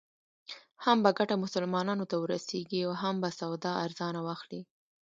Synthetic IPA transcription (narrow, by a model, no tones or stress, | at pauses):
hambaɡaʈamʊsʊlmɑnɑnot̪awəɾaseɡiawɦambasawd̪ɑʔaɾzɑnawɑxli